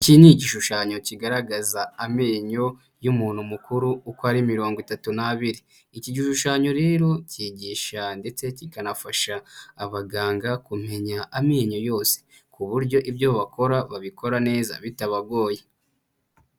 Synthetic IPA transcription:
ciniɟiʃuʃaːɲo̞ciɡaɾaɡazaːmeːɲo̞ | jumuːn̥humukuɾuːkoaɾimiɾo̞ːŋɡwitatunaβiɾi | iciɟiʃuʃaːɲo̞ɾe̞ːɾo̞ciɟiːʃande̞t͡se̞cikanafaʃaːβaɡaːŋɡakum̥e̞ɲaʔameːɲo̞jo̞ːse̥ | kuβuɾɟo̞ʔibjoβako̞ɾaβaβiko̞ɾane̞ːza̰βitaβaɡo̞ːje

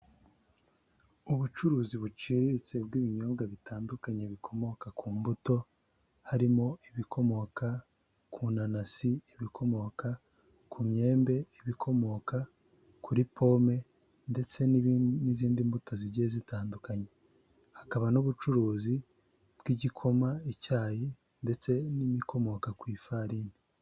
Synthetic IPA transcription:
uβut͡ʃuɾuːziβut͡ʃiːɾiɾit͡se̞bɡiːβiɲo̞ːβɡaβitaːndukaɲeβikʰo̞mo̞kakʰuːmbuto̞ | haɾimo̞iβikʰo̞mo̞ka | kunanasiiβikʰo̞mo̞ka | kʰumɲe̞ːmbe̞iβikʰo̞mo̞ka | kuɾipʰo̞ːme̞ | nde̞t͡se̞nniziːndimbuto̞ziɾɟezitaːndukaɲe̞ | hakaβanoβut͡ʃuɾuːzi | b̥ɡ̥iɟikʰo̞maecaːji | nde̞t͡se̞nimikʰo̞mo̞kakwiːfaɾiːni

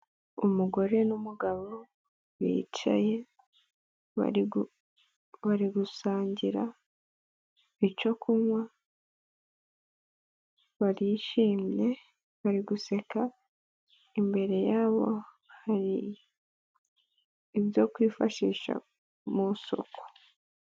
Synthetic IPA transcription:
umuɡo̞ɾe̞numuɡaβo | βḭt͡ʃa̰je̞ | βa̰i | βaɾiɡusaːɲɟiɾa | it͡ʃo̞kʰumwa | βaɾijʃiːmje̞ | βaɾiɡuse̞ka | imbe̞ɾe̞jaːβo̞̰ | haɾi | βjo̞kwiːfaʃiːʃa̰ | muso̞̰ko̥

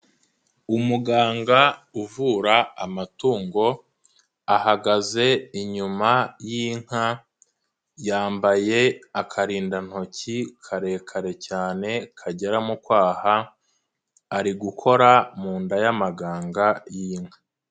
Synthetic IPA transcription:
umuɡaːŋɡauvuːɾaamatuːŋɡo̞ | ahaɡaze̞iɲumajiŋ̥ha | jaːmbaje̞akʰaɾiːndan̥ho̞cikʰaɾe̞ːkʰaɾe̞caːne̞kʰaɟe̞ɾamukwaːha | ɾiɡukʰo̞ɾamuːndajamaɡaːŋɡajiːŋ̥hḁ

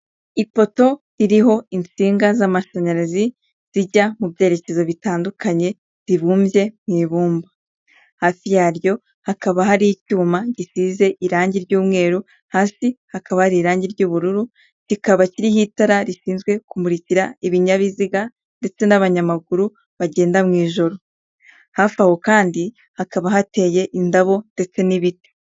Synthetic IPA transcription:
ipo̞to̞ɾiɾiɦo̞int͡siːŋɡazamaʃaɲaɾazi | z̥iɟamubje̞ːɾe̞ce̞zo̞βitaːndukaɲe̞ | ziβuːmbje̞mŋiːβuːmba | haːfijaːɾjo̞ | hakaβaɦaɾicuːmaɟisize̞ʔiɾaːɲɟiɾɟuːmŋe̞ːɾu | haːsihakʰaβahaɾiːɾaːɲɟiɾɟuːβuɾuɾu | ɟikaβaciɾihitaɾaɾiʃiːnzɡwe̞kumuɾiciɾaiβiɲaβiziɡa | nde̞t͡se̞naβaɲamaɡuɾu | βaɟe̞ːndamŋiːʒo̞ɾo̞ | hafaho̞kaːndi | hakaβaɦate̞ːje̞ʔindaβo̞nde̞t͡se̞niβite̥

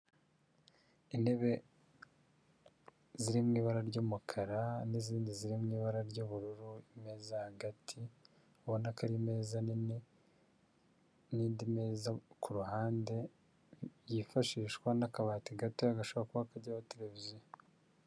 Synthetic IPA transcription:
ine̞βe̞ | ziɾimŋiːβaɾaɾɟoːmukʰaɾaniziːndiziɾimŋiːβaɾaɾɟoːβuɾuɾuime̞ːzahaɡatʰi | aβonakaɾime̞ːzani | niːndimeːzakuɾuhaːnde̞ | jifaʃiːʃkwanakaβaːtiɡatoaɡaʃoβakuβakaɟawate̞ɾe̞vizijo

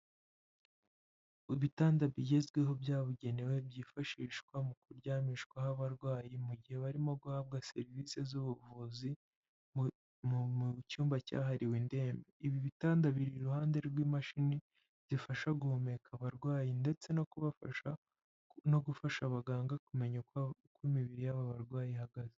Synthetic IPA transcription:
iβitaːndaβiɟe̞zɡweɦo̞bjaːβuɟe̞newe̞bjiːfaʃiːʃkwamukuɾɟaːmiʃkwahaβaɾɡwaːjimuɟihe̞βaɾimo̞ɡuhaːβ̚ɡase̞ɾvise̞zuβuvuzi | mucuːmbaca̰ɦaɾiwiːnde̞ːmbe̞iβiβitaːndaβiɾiɾuhaːnde̞ɾɡwiːmaʃini | z̥ifaʃaɡuhome̞kʰaβaɾɡwaːjinde̞t͡se̞no̞kuβafa̰ʃa | no̞ɡufaʃaβaɡaːŋɡakume̞ɲakwimiβiɾijaβaβaɾɡwaːjihaɡaze

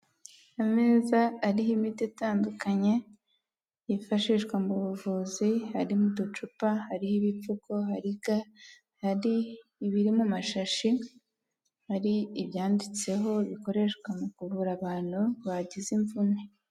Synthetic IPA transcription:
ame̞ːzaːɾihimitetaːndukaɲe̞ | jifaʃiʃɡwamuβuvuzihaɾimudut͡ʃupahaɾihiβip͡fuko̞haɾiɡa | haɾiːβiɾimumaʃaʃi | haɾiːβjaːndit͡se̞ɦo̞βiko̞ɾe̞ʃkwamukuβuɾaβaːn̥huβaɟiziɱvune

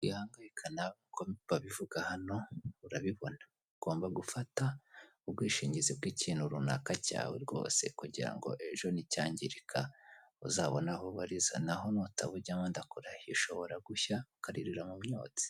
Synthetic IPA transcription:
ijhaːŋɡajikʰanakʰoββaβivuɡahano̞uɾaβiβo̞na | uɡ̥o̞ːmbaɡufata | ubɡwiːʃiːɲɟizibɡiːciːnhuɾuna̰kaca̰ːwḛɾɡo̞̰ːse̞̰kuɟiɾa̰ŋɡo̞̰ʔe̞ʒo̞nicaːɲɟiɾikʰaṵzaβonahoβaɾiza̰naɦo̞notʰaβuɾɟamandakoɾaiʃo̞βoɾaɡuçaukaɾiɾiɾamumɲo̰ːti̥

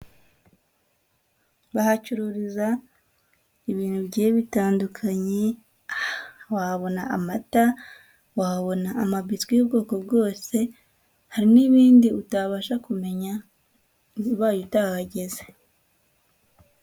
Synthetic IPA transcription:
βahacuɾuɾiza | iβiːn̥hubɟeːβitaːndukʰaɲe | awahaβo̞naʔːmata | wahβo̞naːmaβitɡijubɡo̞ːko̞bɡo̞ːse̞ | haɾiniβiːndiutaβaʃakume̞ɲa | iβaːjutahaɟe̞ze̥

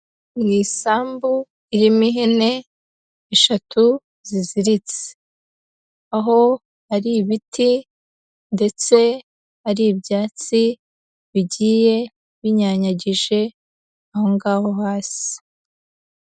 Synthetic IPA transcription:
ŋɡiːsaːmbu | iɾimiɦene̞ː | ʃatʰu | ziziɾit͡se̥ | aɦo̞ | haɾiβitʰi | nde̞t͡se̞ | haɾibjaːt͡si | βiɟiːje̞ | βiɲaɲaɟiʒe̞ | aho̞ŋɡaːho̞ɦaːsi̥

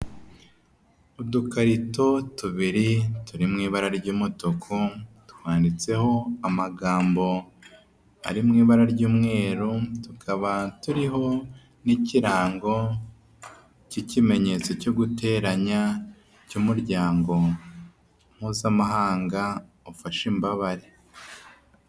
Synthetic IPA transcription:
udukaɾito̞tuβiɾituɾimŋiːβaɾaɾɟuːmotokʰutu̥hwaːndit͡se̞ho̞amaɡaːmbo̞ | a̰ɾimŋiːβaɾaɾɟuːmŋe̞ːɾutukʰaβatuɾiɦo̞ | niciɾaːŋɡo̞ | cicime̞ɲe̞t͡so̞co̞ɡute̞ːɾaɲa | cuːmuɾɟaːŋɡo̞ | m̥huːzamaɦaːŋɡa | ofaʃimbaβaɾe

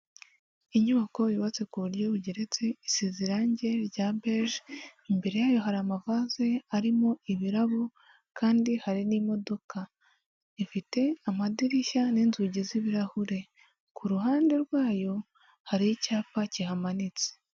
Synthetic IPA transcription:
iɲuβako̞jiβat͡se̞kuβuɾɟo̞βuɟeɾe̞t͡se̞isiziɾaːɲɟe̞ɾɟabeʃimbe̞ɾe̞jaːjo̞ɦaɾamavaze̞aɾimo̞iβiɾaβo | kaːndihaɾinimo̞do̞ka | ifite̞amadiɾiʃaniːnzuɟiziβiɾahuɾe̞ | kʰuɾuɦaːnde̞ɾɡwaːjo̞ | haɾijicaːpaciɦamanit͡se̥

